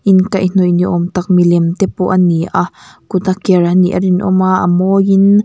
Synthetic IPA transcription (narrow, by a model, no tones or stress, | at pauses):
ʔinkajn̥ɔjniʔɔmt̪ak̚milɛmt̪ɛpɔʔaniʔakut̪akɛɾaniʔa̰dinʔɔ̰maʔa̰mɔjin